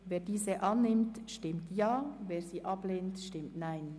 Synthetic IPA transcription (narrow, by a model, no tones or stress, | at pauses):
veːdiːzəʔɑnːɪmtʃtɪmtʰjaːveːɹziːʔɑbleːntʃtɪmtnaɪn